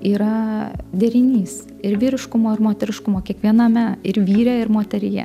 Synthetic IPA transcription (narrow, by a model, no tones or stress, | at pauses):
iːɾɐd̪ʲɛɾʲɪnʲiːs | ɪɾʋʲiːɾʲɪʃkʊmoːɪɾmoːt̪ʲɛɾʲɪʃkʊmoːkʲiɛkʋʲiɛnɐmʲɛɪɾʋʲiːɾʲɛɪɾmoːt̪ʲɛɾʲɪjɛ̰